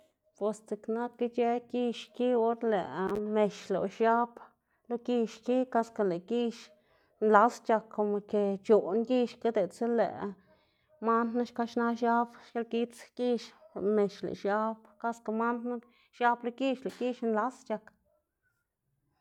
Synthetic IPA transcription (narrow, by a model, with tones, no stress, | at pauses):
pwe˨st͡si˨kna˦t̪̚ki˦t͡ʃe˦ki˧ʃki˦o˦ɾlḛ˨me˨ʃlo̰˨ʃja˦b | lo˦ki˦˧ʃki˦ka˧ska˧le˨ki˦ʃ | nla˨˦st͡ʃa˧kːo˨mo˨ke˨t͡ʃo˨nɡi˦ʃka˦d̪e˨t͡se˦lḛ˨ | ma˦nna˦ʃka˦ʃna˦ʃja˦bʃje˧lki˦t͡ski˦ʃme˨ʃlḛ˨ʃja˧˦bka˦ska˧˨ma˦nna˦ | ʃa˧blo˧ki˦ʃle˨ki˦ʃnla˨˦st͡ʃa˧k